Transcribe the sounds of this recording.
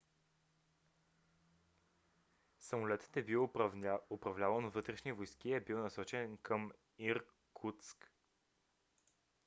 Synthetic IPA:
səmʊlɛt̪ə̥t̪ɛbiwopɾɐvlʲavənovɤt̪ɾɛʃnivojskiɛbiwnɐsɔt͡ʃɛnkʰəm | iɾ | kʰut̪sk

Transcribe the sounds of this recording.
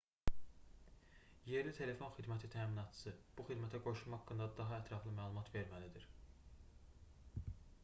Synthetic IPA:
je̞ɾlit̪ʰe̞le̞fo̞nxid̪mæt̪ʰit̪ʰæːminɑt̪ʰsɯb̥uxid̪mæt̪ʰæɡo̞ʃumɑhɑkːɯnd̪ɑd̪ɑɦɑæt̪ʰɾɑflˠɯmæːlˠumɑt̪ve̞ɾmælid̪iɾ

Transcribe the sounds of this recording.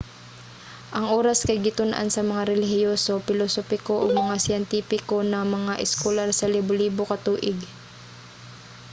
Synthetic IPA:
ʔɐŋʔoːɾɐskɐjɡɪt̪ʊnʔa̰nsɐmɐŋaɾɛlɪhɪjoːsopɪlosoːpɪkoʔoɡ̚mɐŋasɪɛnt̪iːpɪko̞nɐmɐŋaʔɪskolaɾsɐlibʊliːbokɐt̪uːʔɪɡ

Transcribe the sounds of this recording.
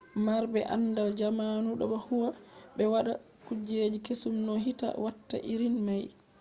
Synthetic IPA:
maɾbɛʔa̰nːdald͡ʒamaːnuɗɔ̰ɓɔhuwaɓɛwaɗa | kud͡ʒed͡ʒikesumnɔɦita̰watːa̰ʔiɾinmaj

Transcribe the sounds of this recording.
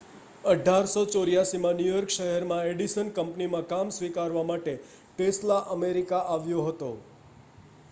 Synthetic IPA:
əɖʱaɾsot͡ʃoɾijasimãnjujɔɾkʃəɦɛɾmãeɖisənkəmpnimãkamsʋikaɾʋamaʈe | ʈeslaʔəmeɾikaʔaʋjõɦət̪o̰

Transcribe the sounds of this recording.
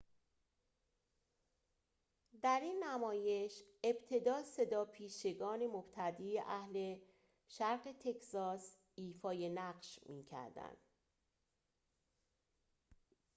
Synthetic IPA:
d̪æɾiːnːæmɒːje̞ʃe̞bt̪ʰe̞d̪ɒːse̞d̪ɒːpʰiːʃe̞ɡɒːne̞mob̥t̪ʰæd̪iːjeʔæhle̞ | ʃæɾɢe̞t̪ʰe̞cʰsɒːs | iːfɒːje̞næɢʃmiːcʰæ̰ɾd̪æ̰nd̪̥

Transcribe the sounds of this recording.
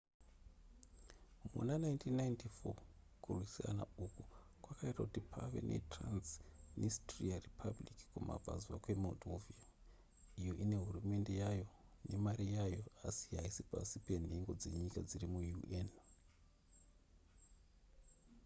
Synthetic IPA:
mṵnanaintʰinːaintifo̰ | kurwisia̰na̰uku | kwakaitakutipʰa̰ʋḛnʔetransnistriaripʰabliki̥kuma̰bʱa̰zwakwe̞modʱovia | ijo̞ʔine̞ɦurume̞nde̞jajo̞ne̞maɾijajo̞asiɦaisipa̰sipe̞n̤e̞ŋɡo̞d͡ze̞ɲikad͡zirimujuʔen

